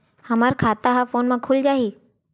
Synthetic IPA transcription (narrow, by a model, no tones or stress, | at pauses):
həmaːɾkʰaːt̪aɦafoːnmãkʰʊld͡ʒaːɦiː